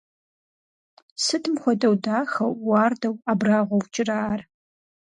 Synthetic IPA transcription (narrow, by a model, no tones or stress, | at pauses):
sɨtʰɨmxʷɔdɐwdaːxɐwːɑːrdɐwaːbraːʁʷɔwt͡ʃʼɪraːr